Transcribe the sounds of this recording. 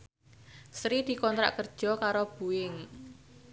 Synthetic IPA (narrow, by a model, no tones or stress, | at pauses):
sɾid̪̥i̤kɔnt̪ɾa̰ʔkərd̥ʒ̥ɔ̤kaɾob̥uɪŋ